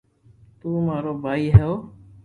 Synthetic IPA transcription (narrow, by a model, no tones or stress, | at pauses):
t̪uːmaːɾoːbʱaːiːɦɛoː